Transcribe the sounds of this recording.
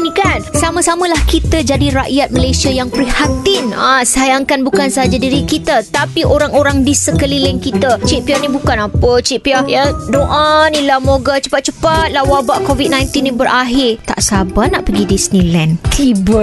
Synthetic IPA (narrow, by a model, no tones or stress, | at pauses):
nĩkansamãsamə̃lahkit̪əd͡ʒadiɾaʔjat̪̚mə̃lajsiajaŋpəɾihat̪inasajaŋkanbukansəɦad͡ʒadiɾikit̪ət̪apiʔoɾaŋoɾaŋdisəkəlilɪnkit̪ət͡ʃiʔ̚pianĩbukanapət͡ʃiʔpiajadoʔanĩlahmoɡat͡ʃə̥pat̪̚t͡ʃəpat̪̚lahwabaʔkovit̪̚nãjnt̪inːĩbəɾʔaɦɪrt̪a̰ʔsabanaʔpəɡidisənĩlɛnt̪ʰibə